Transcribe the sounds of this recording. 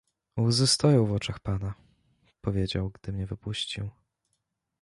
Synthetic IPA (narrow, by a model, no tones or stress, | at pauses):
uzɘst̪ɔjɔ̃w̃vɔt͡ʂaxpana | pɔvʲjed͡ʑawɡd̪̥ɘmɲɛvɘpuɕt͡ɕiw